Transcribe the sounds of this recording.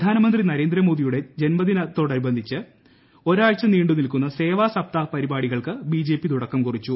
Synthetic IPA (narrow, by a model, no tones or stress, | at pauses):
pɐd̪ʱaːnɐmɐnd̪rinɐɾe̞ːnd̪ɾɐmo̞ːðijuɽe̞d͡ʑe̞nmɐd̪inɐt̪ːo̞ːɽɐɾubɐnd̪ʱit͡ɕːɨ | o̞ɾaːɻt͡ɕːɐniːɳɖunilkunːɐse̞ːʋaːsɐp̚t̪apɐɾibaːɽiɣɐɭkɨbiːd͡ʑe̞ːpːit̪uɽɐkːɐmkurit͡ɕːu